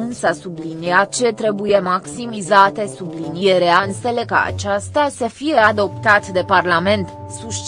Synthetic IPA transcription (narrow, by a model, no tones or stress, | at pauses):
unsasubliniat̪̚t͡ʃe̞t̪ɾe̞buje̞maksimizat̪e̞sublinieɾeanse̞le̞kəa̰t͡ʃast̪asəfije̞ad̪o̞pt̪at̪d̪e̞parlame̞nt̪ | suʃt͡ʃ